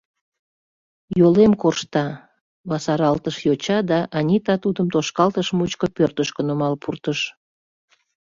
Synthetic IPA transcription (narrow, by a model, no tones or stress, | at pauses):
jolemkorʃt̪ɑ | βɑsɑɾɑlt̪əʃjot͡ɕɑd̪ɑʔɑnʲit̪ɑt̪ud̪əmt̪oʃkɑlt̪əʃmut͡ɕkəpørt̪əʃkənomɑlpʰurt̪əʃ